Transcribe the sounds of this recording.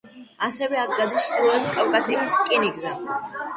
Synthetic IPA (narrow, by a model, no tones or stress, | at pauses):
asɛvɛak̚ʰɡad̪isχulˠɛt̪kʼafkʼasiliskʼiniɡza